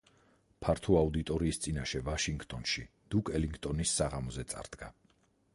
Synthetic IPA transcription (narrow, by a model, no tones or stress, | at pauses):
pʰaɾt̪ʰuaud̪it̪ʼɔɾiːst̪sʼinaʃɛvaʃiŋɡt̪ʼɔnʃi | d̪̥ukʼɛliŋɡt̪ʼɔnisːaʁamɔzɛt̪sʼa̰ɾd̪̥ɡa